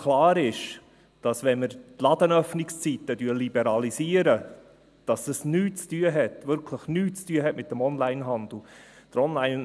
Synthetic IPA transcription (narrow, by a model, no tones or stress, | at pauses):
kʰlɑːɾɪʃ | d̥ɑsʋɛnməɾtlɑd̪ənœfnɪkst͡sit̪ːədyːɾlibɛɾɑlisiːəɾə | d̥ɑsəsnyːtt͡styːəɦɛt̪ʋʏɾkʰləχnyːtt͡styəɦɛtmɪt̚dəmɔnlæɪnɦɑnd̪l̩d̥əɾɔnlaɪn